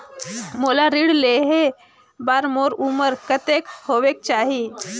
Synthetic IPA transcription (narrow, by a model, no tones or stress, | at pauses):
moːlaɾiɽleɦe | baːɾmoːɾuməɾkət̪eːkhoːʋek̚t͡ʃaːɦi